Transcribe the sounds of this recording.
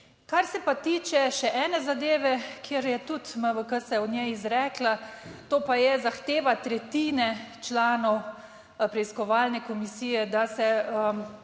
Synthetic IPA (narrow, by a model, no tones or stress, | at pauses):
kaɾsɛpat̪iːt͡ʃɛʃɛʔɛːnɛzad̪eːʋɛkʰeːɾjɛt̪ut̪məʋəkəsɛɔd̪njɛizɾɛːklat̪oːpajɛzaxt̪eːʋat̪ɾɛt̪iːnɛt͡ʃlaːnɔw | pɾɛiskɔʋaːlnɛkɔmisiːjɛd̪asɛəm